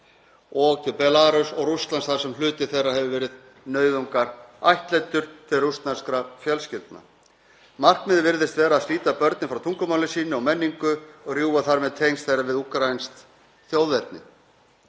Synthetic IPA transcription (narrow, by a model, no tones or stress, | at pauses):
ɔɣt̪ʰɪpɛlaːɾʏsɔɣrust̪lansθaɾ̥sɛmlʏːt̪ɪ̥θejrːahɛvvɛːɾɪð | nœːɥðʏŋkaɾajht̪lejt̪ʏɾ̥t̪ʰɪlrust̪naskɾafjœlscɪlt̪na̰ | mar̥kmɪðvɪɾðɪst̪vɛːɾaːðsliːt̪apœɾt̪nɪfɾawt̪ʰuŋkʏmaːwlɪsiːnɪawmɛnːiŋkʏɔɣrjuːaθaɾmɛðt̪ʰejnst̪θejɾavɪðuhkɾajnst̪ | θjowðvɛɾt̪̚nɪ̰